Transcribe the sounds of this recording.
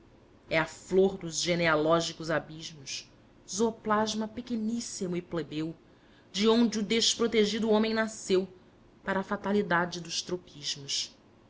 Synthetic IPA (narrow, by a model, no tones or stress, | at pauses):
ɛafloɾd̪ʊzʒenealɔʒikʊzabiʒmʊʃ | zoplaʒmɐpekenisimʊiplebew | d͡ʒɪõnd͡ʒɪʊd̪eʃpɾot̪eʒid̪ʊõmẽj̃nasew | paɾɐːfat̪alid̪ad͡ʒɪd̪ʊʃt̪ɾopiʒmʊs